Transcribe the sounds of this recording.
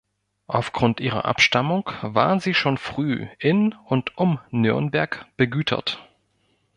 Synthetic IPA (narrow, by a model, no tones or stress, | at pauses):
ʔaʊfɡ̥ʁʊntʔiːʁɐ̰ʔa̰pʃtamʊŋkvaːɐziːʃoːnfʁ̥yːʔɪnʊntʔʊmnʏɐnbɛɐkb̥əɡyːtʰɐ̰t